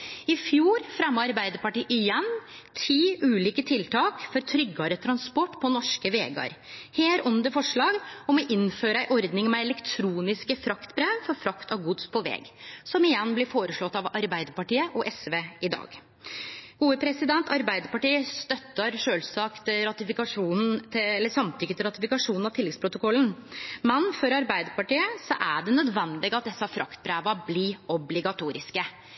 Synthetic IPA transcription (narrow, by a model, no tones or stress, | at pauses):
ɪfjuːɾfɾɛmːəɾɑɾbæɪd̪əɾpɑʈiːʔɪjɛn | t̪ʰiːʉːliːkət̪ʰɪlt̪ʰɑːkfɔɾt̪ʰɾʏɡːɑɾət̪ʰɾɑnspɔʈːpʰɔnɔʂkəʋḛːɡɑ̰ɾheːɾʊnd̪əfɔʂɭɑːɡɔmɔʔɪnføːɾəæɪʔɔɾd̪nɪŋmɛɛlɛkt̪ʰɾuːnɪskəfɾɑkt̪bɾeʋfɔɾfɾɑkt̪ɑʋɡʊd̪spʰɔʋɛ̰ːɡsɔmɪjɛnːblɪɾfoːɾəʂɭɔt̪ːɑʋɑɾbæɪd̪əɾpɑʈiːəʔɔʔɛsʋeːɪd̪ɑ̰ːɡ | ɡ̥uːəpʰɾɛsɪd̪ɛnt̪ɑɾbæɪd̪əɾpɑʈiːəst̪œt̪ːəɾʂøːlsɑkt̪ɾɑt̪ɪfɪkɑʂuːnn̩ɛlːəsɑmt̪ʰʏkːət̪ʰɪlɾɑt̪ɪfɪkɑʂuːnn̩ɑʋt̪ɪlːɛɡ̪spʰɾʊt̪ʊkʰɔlːn̩mɛnfɔɾɑɾbæɪd̪əɾpɑʈiːəsɔʔæɖɛnœd̪ʋɛnd̪lɪɡəɑt̪̚d̪ɛsːɑfɾɑkt̪bɾeːʋɑblɪɔblɪɡɑt̪ʰuːɾɪskə